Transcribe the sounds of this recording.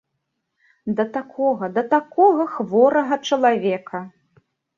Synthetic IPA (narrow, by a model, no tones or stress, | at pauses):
d̪ɐt̪akʰɔɣɐd̪ɐt̪akɔɣɐxvɔɾɐɣɐt͡ʂɐlˠavʲɛkʰɐ